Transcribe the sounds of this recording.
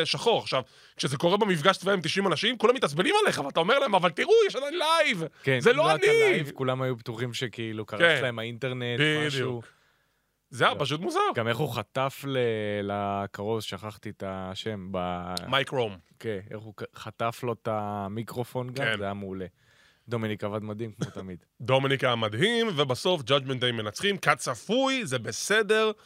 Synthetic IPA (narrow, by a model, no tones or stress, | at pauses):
ʃaχo̞ʁaχʃav | kʃezeko̞ʁebemifɡaʃt͡svaemt̪̬iʃimanaʃimkulamit̪at͡sbelimaleeχavalat̪aome̞ʁlaemavalt̪iʁujɛʃad̪ajnlajvkenzeloaniivkulamajupt̪uχimʃekiilukaʁlaemainteʁne̞tbimadʃjuk | zeapaʃ̬ut̪̬muzaʁɡameχuχat̪aflelakaʁo̞vʃaχaχt̪itaʃe̞mbamajkʁomkenḛχuχataflo̞tamikʁo̞fo̞nɡazajamːle̞ | d̪o̞minikavadmad̪himkmot̪amid | dominikamad̪ɦimvebaso̞fd͡ʒad͡ʒment̪aimːenat͡sχimkatsafujzebesede̞ʁ